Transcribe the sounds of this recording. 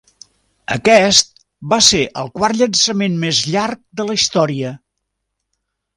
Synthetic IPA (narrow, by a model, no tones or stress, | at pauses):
ə̰kɛst̪̚ | baseʔəlˠkwaɾʎənsəmenmezʎark̚d̪ələist̪ɔɾiə